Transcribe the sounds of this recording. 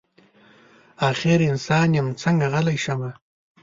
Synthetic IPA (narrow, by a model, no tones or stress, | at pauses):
ɑːxɪɾɪnsɑːnjɪmt͡səŋɡaɣalajʃama